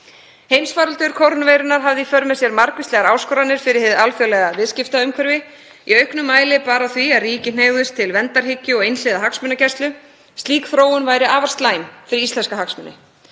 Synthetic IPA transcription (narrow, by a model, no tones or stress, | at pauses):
hejmsfaːɾalt̪ʏɾ̥kʰowɾnveːjɾʏnaɾ̥ɦavðɪifœɾmɛsjɛɾmaɾkvɪst̪lɛɣaɾaːwskɔɾanːɪɾ̥fɪɾɪɾ̥hɪðalfjœlɛɣavɪðscɪft̪aʏmkʰvɛɾvɪ | iœɥhknʏmːaːjlɪpaːɾaθviaðriːcɪneːjɣðʏst̪ʰɪlvɛnt̪aɾ̥hɪcːʏɔɣejnslɪðaɦaksmʏnacɛst̪lʏ | st̪liːkθɾoːwʏnvaːjɾɪʔaːvaɾ̥st̪laːjmfɪɾɪɾist̪lɛnskaɦaksmʏnːɪ̰